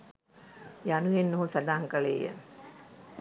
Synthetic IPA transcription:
janujenːuɦusad̪aːŋkəɭḛːjə̰

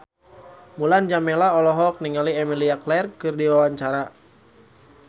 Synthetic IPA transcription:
muland͡ʒamɛlaɔlɔɦɔk̚niŋaliɛmiliaklɛrkɨrdiwawaɲt͡ʃaɾa

